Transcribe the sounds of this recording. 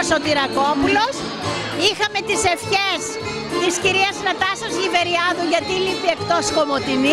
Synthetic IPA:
osot̪iɾɐko̞pulo̞s | ixɐme̞t̪ise̞fçes | ðisciɾiɐsnɐt̪ɐsozʝive̞ɾiɐðuʝɐt̪ilipie̞kt̪o̞sko̞mot̪ini

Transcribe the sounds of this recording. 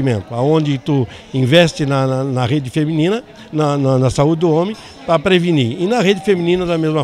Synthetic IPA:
imẽnt̪ʊaõnd͡ʒ̪ɪt̪u | ĩvɛst͡ʃ̪ɪnɐnnɐʁed͡ʒ̪ɪfemĩnĩnɐ | nɐnɐnɐsaud͡ʒɪd̪ʊõmẽ | pɾɐpɾeviniɪnɐʁed͡ʒ̪ɪfemĩnĩnɐd̪ɐmezmɐ

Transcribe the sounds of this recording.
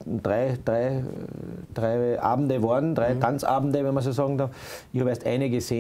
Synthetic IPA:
d̥ʁaɪd̥ʁaɪ | d̥ʁaɪʔa̰ːbm̩dəvɔɐdn̩d̥ʁaɪtʰant͡sa̰ːbm̩dəvɛnmɐsoːsɑːɡŋ̩dɑf | ɪçhɑːbeɐstʔa̰ɪnəɡəseː

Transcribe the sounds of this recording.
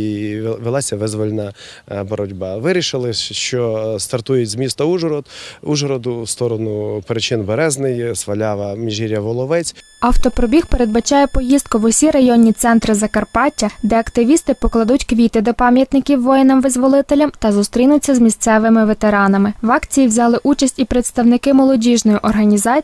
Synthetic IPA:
ʋelˠɑsʲɐʋɪzʋɔlʲnɑbɔɾɔdʲbɑʋɪɾʲiʃɪlˠɪʃt͡ʃɔst̪ɐrt̪ujʊtʲzmʲist̪ɐuʒɾɔd̪uʒɔɾɔd̪ʊst̪ɔɾɔnʊpeɾɪt͡ʃɪnbeɾɛznɪjsʋɐlʲaʋɐmʲiʒiɾʲjɐʋɔlˠɔʋɛt͡sʲ | ɐwt̪ɔpɾɔbʲixpeɾed̪bɐt͡ʃɑjɛpɔjist̪̚kʊʋɔsʲiɾɐjɔnʲːit̪sɛnt̪ɾɪzɐkɐrpɑtʲːɐd̪ɛɐkt̪ɪʋʲist̪ɪpɔklˠɐd̪utʲkʋʲit̪ɪd̪ɔpɑmʲjɐt̪nɪkʲiwːɔjɪnɐmʋɪzʋɔlˠɪt̪elʲɐmt̪ɐzʊst̪ɾʲinʊt͡sʲːɐzmʲist̪sɛʋɪmɪʋet̪eɾɑnɐmɪʋɑkt͡sʲijiʋzʲɑlˠɪʔut͡ʃɐsʲtʲipɾet̪st̪ɐwnɪkɪmɔlˠɔdʲiʒnɔjiʔɔrɦɐnʲizɑ

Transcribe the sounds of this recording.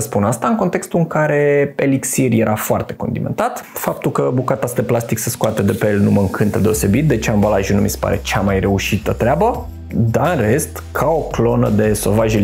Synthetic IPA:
əspunast̪aɨŋko̞nt̪e̞kst̪uɨŋkaɾe̞eliksirje̞ɾʔafoart̪e̞ko̞nd̪iment̪at̪fap̚t̪ulkəbukat̪asd̪eplast̪ikseskoat̪ed̪e̞pelnuməɨŋkʰɨnt̪əd̪e̞o̞se̞bit̪̚d̪et͡ʃeambalaʒunumisepa̰ɾe̞t͡ʃamajre̞uʃit̪ət̪ɾeabə | d̪aɨnre̞st̪kʰao̞klo̞nə̰d̪e̞so̞vaʒe

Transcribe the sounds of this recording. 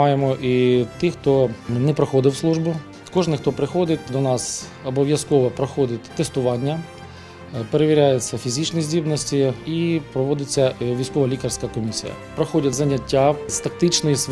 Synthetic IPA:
ɑjemɔʔit̪ɪxt̪ɔnɛpɾɔxɔd̪ɪwslˠuʒbʊ | kɔʐnɪxt̪ɔpɾɪxɔd̪ɪtʲd̪ɔnɑs | ɐbɔʋʲjɐskɔʋɔpɾɔxɔd̪ʲɪtʲt̪est̪ʊʋɑnʲːɐ | peɾeʋʲɪɾʲajet͡sʲːɐfʲizʲit͡ʃnizʲdʲibnɔsʲtʲiipɾɔʋɔd̪ɪt͡sʲːɐʋʲijsʲkɔʋɐlʲikɐrsʲkɐkɔmʲisʲḭjɐ̰pɾɔxɔdʲɐtʲzɐnʲɐtʲːast̪ɐk̚t̪ɪt͡ʃnɔjs

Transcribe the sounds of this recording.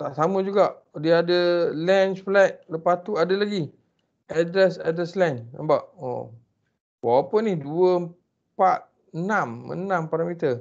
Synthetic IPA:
t̪aʔsaməd͡ʒuɡaʔ | diaadəlɛnt͡ʃflɛt̪̚ləpast̪uadəlaɡi | adɾɛsadɾɛslɛnə̰mbaʔo̰ | wawapənihduəm | pat̪̚ | ənamə̰nãmpaɾamit̪ə

